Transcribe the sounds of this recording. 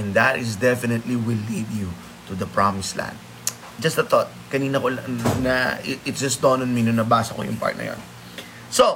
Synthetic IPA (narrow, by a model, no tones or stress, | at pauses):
ɛnd̪ɐt̪ɪsd̪ɛfɪnɛt̪liwilid̪ju | t̪ʊd̪ɐpɹamɪslã̰nd̪̚ | d͡ʒɐst̪ɐt̪ɔt̪̚kɐniːnɐkolnɐɪɪt̪sd͡ʒɐsd̪onɔnminʊnɐbaːsɐko̰jʊ̰ŋpa̰ɹt̪nɐ̰jo̰n | so